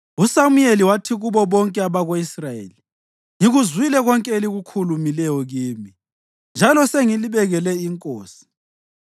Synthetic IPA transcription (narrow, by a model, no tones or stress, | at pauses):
usamueliwatʰiɣuβɔβɔŋkʼɛaβaɣoisrajḛːli | ŋiɣuzwilɛɣɔŋkʼɛeliɣukʰulumilɛjɔɣiːmi | nd͡ʒʱalɔseŋiliβɛɣɛlɛiŋkʼoːsi̥